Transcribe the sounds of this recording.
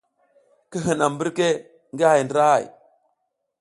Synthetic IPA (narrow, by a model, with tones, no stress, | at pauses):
kə˦ɦə˨na˨mbə˦ɾke˦ | ŋɡa˦ha˨jndɾa˦ha̰˦˨j